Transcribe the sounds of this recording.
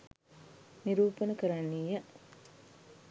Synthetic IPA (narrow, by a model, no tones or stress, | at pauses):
niɾuːpənəkəɾanːiːjə